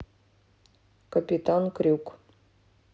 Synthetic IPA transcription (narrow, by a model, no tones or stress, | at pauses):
kəpʲit̪ankɾʲuk